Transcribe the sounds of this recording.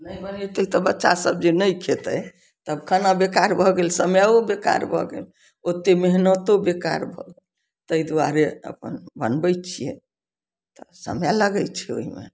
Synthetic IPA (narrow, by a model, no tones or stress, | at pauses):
nəjbənit̪əit̪ɔbətːʃa̰səb̚d͡ʒenəjkʰet̪ə | t̪əbkʰənabekaɾbʱɔɡelsəmjaobeka̰ɾbʱɔ̰ɡḛl | ot̪ːemeɦnət̪obeka̰ɾbʱɔɡel | t̪əid̪uaɾeə̰pənbənbɛjt͡ʃʰijɛ̰ | t̪ɔsə̰mjaləɡɛt͡ʃʰɛo̰ɦimḛ